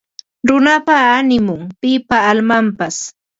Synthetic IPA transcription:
ɾʊnapaːnɪmʊŋpɪpaːlmampas

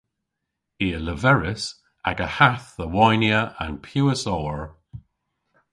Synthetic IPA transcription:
iːələvɛɹɪs | aɡəhaθðəwajnjəʔa̰npʰjuːəsɔəɹ

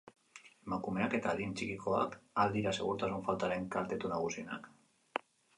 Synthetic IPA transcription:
makumeaket̪aðint͡ʃikikʰoa̰kald̪iɾasḛɣuɾt̪azuɱfalt̪aɾeŋkalt̪et̪unaɣusina̰k

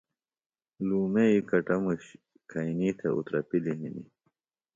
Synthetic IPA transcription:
luːmeikɐʈɐmuɕ | kʰajniːt̪ʰeṵt̪ɾɐpiliɦinḭ

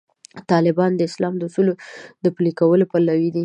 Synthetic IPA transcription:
t̪ɑlɪbɑnd̪əɪslɑmd̪əusulod̪əpulikawəlopalawid̪i

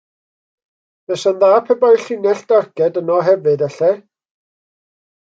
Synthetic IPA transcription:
b̥ɛsənðaːpʰɛbajɬɪnɛɬd̥arɡɛdənɔɦɛvɨdaɬɛ

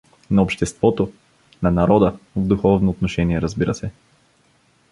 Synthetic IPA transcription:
nɐopʃt̪ɛst̪vɔt̪o | nɐnɐɾɔd̪əvd̪uxɔvnoːt̪noʃɛniɛɾɐzbiɾəsɛ

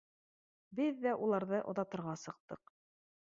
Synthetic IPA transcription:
bɘðːæʔulˠɑɾðɤʔŏðɑt̪ɤ̆ɾʁɑsɤ̆q̚t̪ɤq

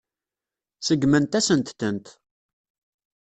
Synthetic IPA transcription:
səɡmənt̪æsənt̪θənt̪

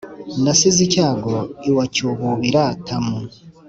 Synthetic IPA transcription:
nasizicaːɡoiwacuβuβiɾatʰamu

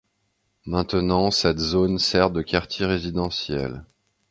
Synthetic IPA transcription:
mɛ̃t̪ənɑ̃sɛt̪zonsɛʁd̪əkʲaʁt̪jeʁezid̪ɑ̃sjɛ̰l

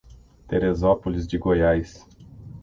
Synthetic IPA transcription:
t̪eɾezɔpolizd͡ʒɪɡojajs

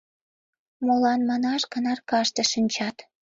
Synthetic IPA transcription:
molɑnmɑnɑʃkənɑrkɑʃt̪ĕʃinʲt͡ɕɑt̪

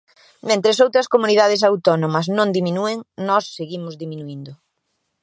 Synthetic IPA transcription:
mẽnt̪ɾesowt̪ɾɐskomuniðað̞es̬awt̪ɔnomɐsnõŋd̪iminueŋnɔsːeɣimʊzðiminuind̪ʊ

